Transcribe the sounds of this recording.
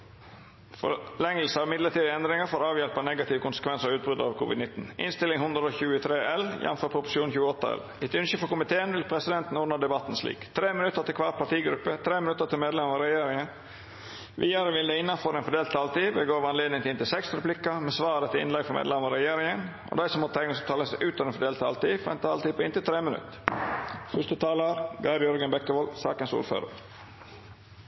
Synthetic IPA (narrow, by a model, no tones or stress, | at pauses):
fɔ̰lɛŋːəl̩səɑɾmɪd̪lətʈiːd̪ɛnd̪ɾɪŋəfoːɾɑːʋjɛlpɑnɛɡɑt̪ʰɪʋəkʊnsə̥kʰʋɛnsəɾɔʉːt̪̚bɾʉd̪əɑɾkʰṵːʋɪd̪nɪt̪ːn̩ʔɪ̰nst̪ɪlːɪŋhʉnd̪ɾəɔçʉːət̪ʰɾeːʔɛljɛ̰n̩føːɾpʰɾʊpʊ̥ʂɪuːnçʉːəɔt̪ːəɛ̰l | ɛt̪ʉnçəfɔɾkʊmɪt̪ʰeːənʋɪlpʰɾɛsɪd̪ɛnt̪n̩ɔːnɑd̪ɛbɑt̪ːn̩slḭːkt̪ʰɾeːmɪnʉt̪ːəɾt̪ɪlkʋɑːpʰɑʈiːɡɾʉpːət̪ʰɾeːmɪnʉt̪ːəɾt̪ɪlmeːd̪lɛmɑɾɛjeːɾɪŋən | ʋʔiːɑɾəʋɪld̪ɛɪnːɑnfɔɾɛnfɔɖeːlt̪ɑlt̪iːʋɛɡoːʋɑneːd̪nɪŋt̪ɪlɪnt̪ɪlsɛksɾɛpʰlɪkːɑmɛsʋɑːɾət̪ʰɪlɪ̰nlɛɡfɔɾmḛːd̪lɛmɑɑɾɛjeːɾɪŋənʔɔ̰d̪æɪsɔmhɑt̪ʰæɪnsɔt̪ʰɑːləsæɪʔʉːt̪ɔʋɛnfɔɖ̪eːlt̪ʰɑ̰lt̪iːfɔɾɛ̰nt̪ɑːlt̪iːpʰɔɪnt̪ɪlt̪ʰɾeːmɪnʉ̰t̪ː | fʏʂt̪ət̪ʰɑːləɾɡɑɪbjœɾɡənbɛkːəʋɔlsɑ̰ːkənsṵːɾfø̰ːɾə̰ɾ